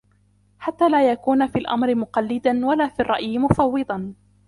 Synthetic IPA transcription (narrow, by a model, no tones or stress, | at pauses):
ħat̪ːaːlaːjakuːnafiːalʔa̰mɾɪmʊqɑlːɪd̪anwalaːfiːrˤːɑʔjɪmʊfɑwːɨd̪ˤɑn